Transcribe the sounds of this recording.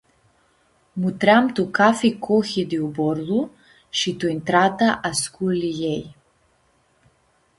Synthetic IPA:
mut̪ɾamt̪ukafikʰɔxid̪iubɔɾlˠu | ʃit̪uint̪ɾat̪aʔaskulijɛj

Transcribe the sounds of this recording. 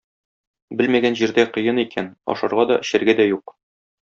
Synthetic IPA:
bɘlmæɡænʑiɾd̪æqŏjɤnikʰænɒ̰ʃɑɾʁɑd̪ɒ̰ʔɘ̆ɕɘ̆ɾɡæd̪æjuq

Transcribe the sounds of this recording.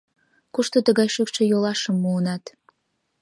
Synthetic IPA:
kuʃt̪ot̪əɣɑjʃykʃĕjolɑʃəmːuənɑt̪

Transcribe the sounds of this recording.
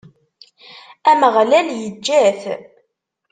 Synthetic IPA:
æməʁlæljəd͡ʒːæθ

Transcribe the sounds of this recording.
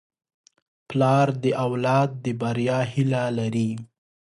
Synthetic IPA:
plɑɾd̪əʔawlɑd̪̚ːəbaɾjɑhilalaɾi

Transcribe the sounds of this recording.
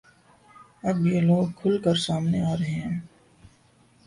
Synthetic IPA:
ɐbjeloːɡ̚kʰʊlkəɾsaːmneaːɾeɦɛ̃ː

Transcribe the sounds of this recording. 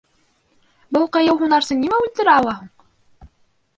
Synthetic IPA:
bɤlˠqɤ̆jɤwɦunɑɾsɤnimæʉlt̪ɘ̆ɾæɑwɑɦuɴ

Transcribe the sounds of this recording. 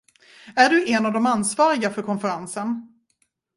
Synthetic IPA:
æɖɵʔɛnavd̪ɔmansvɑːɾɪɡafœɾkʰɔnfəɾansən

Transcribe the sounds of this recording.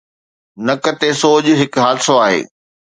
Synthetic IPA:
nɐkɐt̪esoːd͡ʑɦɪkɦaːlsoaːɦḛː

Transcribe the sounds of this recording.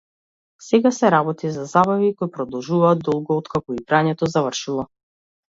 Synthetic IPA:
sɛɡasɛɾabɔt̪izazabavikojpɾɔd̪ɔlˠʒuvaːd̪d̪ɔlˠɡɔːt̪kakɔiɡɾaɲɛt̪ɔzavr̩ʃilˠɔ

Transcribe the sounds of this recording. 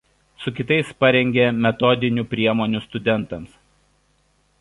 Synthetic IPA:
sʊkʲɪt̪ɐɪspɐɾʲɛŋʲɡʲemʲɛt̪ɔd̪ʲɪnʲuːˑpʲɾʲiɛmoːnʲʊst̪ʊd̪ʲɛnˑt̪ɐms

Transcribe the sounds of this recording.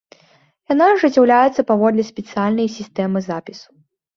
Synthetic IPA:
janaʐɨt͡sʲːawlʲajɛt̪sːɐpavɔd̪lʲɛsʲpʲɛt̪sɨjalʲnɐjsʲist̪ɛmɨzapʲisu̥

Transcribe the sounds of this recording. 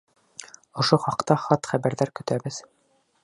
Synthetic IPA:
ŏʃoχɑqt̪ɑχɑt̪χæβæɾðæɾkɵ̆t̪æbɘð̥

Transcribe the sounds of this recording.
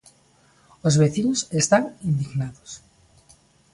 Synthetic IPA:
ozβeθinosest̪aŋind̪iɣnaðos

